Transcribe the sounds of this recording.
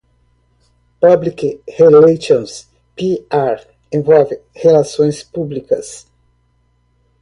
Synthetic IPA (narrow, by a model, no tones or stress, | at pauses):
pablikheleʃõns | piaɾ | ẽvɔwvɪhelasõj̃spublikɐ̰s